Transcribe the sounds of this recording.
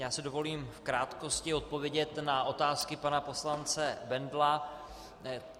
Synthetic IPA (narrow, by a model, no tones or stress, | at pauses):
jaːsɪdo̞vo̞liːmfkɾaːt̪ko̞scɪo̞t̪̚po̞vjɛɟɛt̪naʔo̞t̪aːskɪpanapo̞slant͡sɛbɛndla